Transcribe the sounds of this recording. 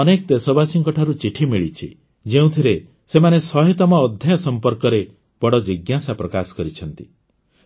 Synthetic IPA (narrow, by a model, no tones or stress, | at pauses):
ɔnekɔd̪esɔbasiŋkɔʈʰaɾut͡ʃiʈʰimiɭit͡ʃʰḭ | d͡ʒeũt̪ʰiɾe | semanesɔɦit̪ɔmɔːd̪ʱjajɔsɔmpɔɾkɔɾe | b̥ɔɽɔd͡ʒiɡjasapɾɔkasɔ̥kɔɾit͡ʃʰɔnt̪i